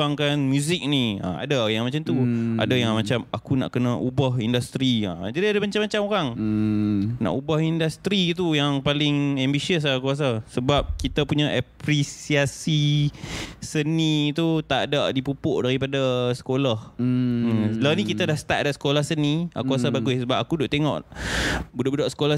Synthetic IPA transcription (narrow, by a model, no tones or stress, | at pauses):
aŋkanmjuzɪk̚nia̰a̰dajaŋmat͡ʃamt̪ua̰dajaŋmat͡ʃamakuna̰ʔkənaʔubaɦindast̪ɾia̰d͡ʒadiadəmaɲt͡ʃamːat͡ʃamoɾaŋ | na̰ʔubahindast̪ɾiːt̪ujaŋpalɪŋɛmbisiəs̬akuas̬asəbap̚kit̪apuɲaʔapɾisiasi | sənit̪ut̪aʔdaʔdipupʊʔdaɾipadasə̥kolahəlanikit̪adahsə̥t̪aʔ̚daʔsə̥kolahsənĩakuasabaɡʊsəbap̚akudʊʔt̪eŋɔ̰ʔ | budʊʔbudaʔsə̥kola